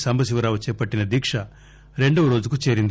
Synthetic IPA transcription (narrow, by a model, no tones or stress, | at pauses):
sɐmbʱɐs̬iʋɐɾaːʋɐt͡ʃɛːpɐʈːinɐd̪iːkʂɐ | ɾe̞ɳɖɐʋɐɾoːd͡ʒukut͡ʃeːɾind̪